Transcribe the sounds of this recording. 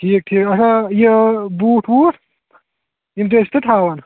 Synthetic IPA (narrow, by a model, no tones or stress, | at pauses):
ʈʰiːk̚ʈʰiːkɐsajebuːʈʰwuːʈ | imt̪est̪ɐʈʰaːwɐn